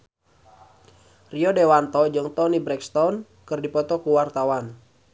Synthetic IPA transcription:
riɔdewant̪ɔd͡ʒɔŋt̪ɔnibɾɛkst̪ɔn | kɨrdipɔt̪ɔkuwart̪awan

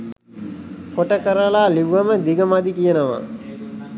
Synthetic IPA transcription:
koʈəkəɾəlaːliʋːəməd̪iɡəmad̪ikijənəʋa̰

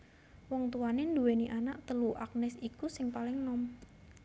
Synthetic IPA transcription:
wɔŋt̪uanend̪uweniʔanaʔt̪əluʔak̚nɛsikusɪŋpalɪŋnɔm

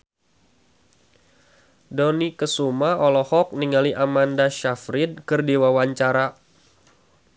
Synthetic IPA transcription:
dɔnikəsumaɔlɔhɔk̚niŋaliʔamandaʃafɾɪd̚kərdiwawaɲt͡ʃaɾa

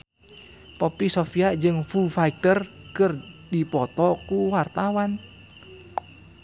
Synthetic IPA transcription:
popisofiad͡ʒɨŋfufaik̚t̪ərkɨrdipɔt̪ɔkuwart̪awan

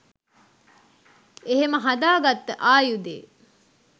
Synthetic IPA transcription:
eɦeməɦad̪aːɡat̪ːəʔaːjud̪ḛː

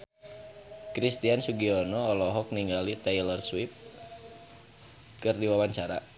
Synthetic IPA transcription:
kɾist̪iansuɡiɔnɔːlɔɦɔk̚niŋɡalit̪ɛjlərswip̚ | kɨrdiwawaɲt͡ʃaɾa̰

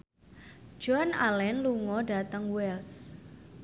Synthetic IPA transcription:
d͡ʒɔna̰lɛnluŋɔɖa̤t̪əŋwɛls

